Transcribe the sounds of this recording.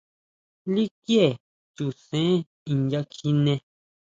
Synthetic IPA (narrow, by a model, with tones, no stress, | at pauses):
li˦kje˦˨ | t͡ʃu˨sẽ˦ | i˧nja˧kʰi˧nẽ˧